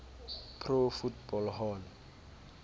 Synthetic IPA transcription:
pʰrofutbɔlɦɔːl

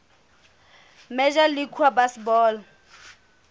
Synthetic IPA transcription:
mɛʒalikʰwabasbɔːl

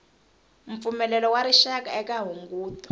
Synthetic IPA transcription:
ɱ̩p̪fumɛlɛlɔwaɾiʃak̬aɛkaɦuŋɡuːtɔ̥

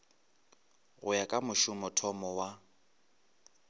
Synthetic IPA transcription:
ɣʊjakʼamʊʃʊmɔtʰɔmɔwa

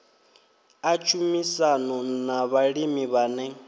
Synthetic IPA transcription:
at͡ʃʰumisanɔnaβaɺimiβanɛ

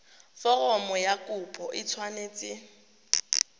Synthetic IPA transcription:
fɔrɔmɔjakʼʊpʼɔʔɪt͡sʰwaneːt͡sʼɪ

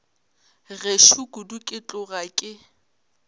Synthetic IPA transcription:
ɣeʃuɡʊdukʼɪt͡ɬʼʊɣakʼɪ

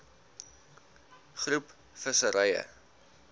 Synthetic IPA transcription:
χrup | fəsəɾɛjə̰

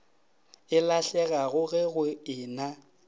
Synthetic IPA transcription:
ɪlaɬɛɣaɣʊɣɛɣʊɪːna

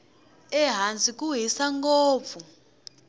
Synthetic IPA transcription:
ɛɦand͡zʱʼikʼuɦisaŋɡoːp̪fvu

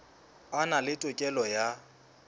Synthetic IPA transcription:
analɪtʼʊkʼɛlɔja

